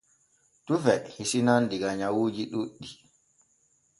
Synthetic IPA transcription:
tufɛhisinandiɡaɲawuːd͡ʒiɗuɗːi

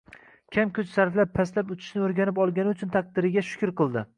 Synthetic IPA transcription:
kʲʰamkʰʲʊt͡ʃsaɾflap̚ʰːaslapʊt͡ʃ̪ʰɪ̥ʃnɪoɾɡʲanɪpɒlˠɡʲanɪʊt͡ʃʰʊnt̪ʰaq̚d̪ɪɾɪɡʲaʃʊ̥kʲʊɾqɨlˠd̪ɪ

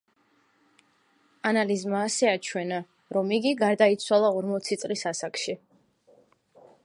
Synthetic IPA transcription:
analizmaːsɛat͡ʃʰwɛna | ɾɔmiɡiɡaɾd̪ait̪sʰwalˠaɔɾmɔt̪sʰit̪sʼlisasakʃi

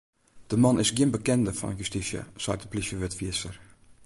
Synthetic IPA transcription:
d̥əmɑnɪsɡiənbəkɛndəfɑ̰njystisjə̰z̥a̰ːt̚dəpliʃəvɪtfiəsər

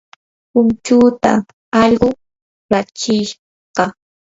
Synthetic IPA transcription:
pʊnt͡ʃuːt̪a̰ | ɑʎɢʊ | ɾat͡ʃɪʃ | ɢɑ

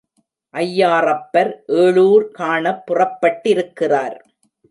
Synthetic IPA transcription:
ʔɐjːaːrɐpːɐɾʔeːɻuːɾkaːɳɐpːʊrɐpːɐʈːɪɾɯkːɪraːɾ

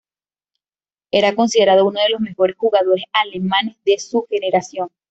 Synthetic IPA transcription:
e̞ɾako̞nsiðe̞ɾaðouno̞ðe̞lo̞zme̞xo̞ɾe̞sxuɣaðo̞ɾe̞sale̞mãne̞zðe̞suxe̞ne̞ɾasjo̞ŋ

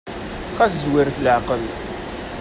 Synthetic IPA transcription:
χæszwɪɾfləʕqəl

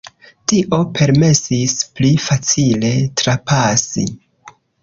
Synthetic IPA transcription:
tiʔo̞pʰe̞ɾme̞sisplifat͡sile̞tɾapasḭ

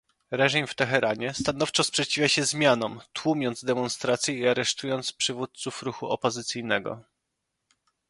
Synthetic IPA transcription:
ɾɛʐimft̪ɛxɛɾaɲɛst̪anɔft͡ʂɔspʂɛt͡ɕivʲjaɕɛzmʲjanɔmt̪wumʲɔnd̪zd̪ɛmɔnst̪ɾat̪sʲjɛiaɾɛʂt̪ujɔnt̪spʂɘvut̪̚t̪sufɾuxuʔɔpɔzɘt̪sʲijnɛɡɔ̰

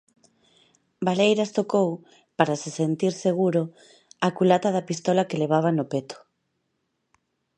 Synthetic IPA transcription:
balejɾast̪okow | paɾasesent̪iɾseɣ̞uɾʊ | akulat̪aðɐpist̪ɔlakeleβ̞aβ̞anʊpet̪ʊ̥

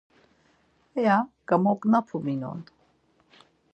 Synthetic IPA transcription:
ɛjaɡ̥amɔkʼnapʰuminɔ̰n

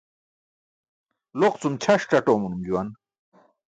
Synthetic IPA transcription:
loqt͡sumt͡ɕʰɐʂʈ͡ʂɐʈoːmunumd͡ʑuwɐn

